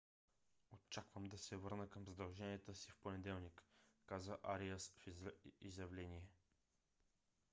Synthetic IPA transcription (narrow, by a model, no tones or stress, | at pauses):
ot͡ʃakvəmd̪ɐsɛvɤɾnəkəmzɐd̪ɐlˠʒɛniət̪əsifponɛd̪ɛlˠnikːazəʔaɾiəsfizjɐvlɛniɛ